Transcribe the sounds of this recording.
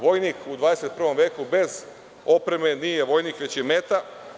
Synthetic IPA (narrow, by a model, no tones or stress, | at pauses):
ʋo̞jnikud̪ʋaːd̪ese̞t̪pr̩ʋo̞mʋje̞ːkube̞z | o̞pɾe̞me̞nije̞ʋo̞jniːkʋe̞t͡ɕjeme̞t̪a